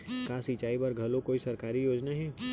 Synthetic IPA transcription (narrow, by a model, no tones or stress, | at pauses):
kaːsit͡ʃaːibɐɾɡʱɐlõkoːisɐɾkaːɾijoːd͡ʒnaɦɛː